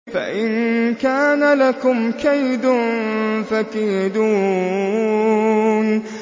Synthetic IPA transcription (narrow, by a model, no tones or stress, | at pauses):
fa̰ʔɪnkaːnalakʊmkajd̪ʊnfakajd̪uː | n